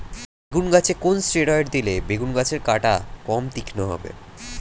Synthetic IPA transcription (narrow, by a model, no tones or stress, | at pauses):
beɡunɡat͡ɕʰekonsʈeɽɔeʈd̪ilebeɡunɡat͡ɕʰeɾkaʈa̰kɔmt̪ikʰnoɦɔ̰bḛ